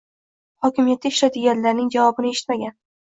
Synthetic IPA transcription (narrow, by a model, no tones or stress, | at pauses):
hɒkʲɪmijat̪ːaɪʃlad̪ɪɡʲaɾlaɾnɪŋd͡ʒavɒbɪnɪeʃɪ̥t̪maɡʲan